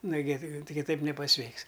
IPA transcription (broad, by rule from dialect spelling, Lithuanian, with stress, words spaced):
nʊˈɡʲɪ ˈtʲɪ kʲɪˈtɐɪp nʲɛpɐˈsʲʋʲɛɪks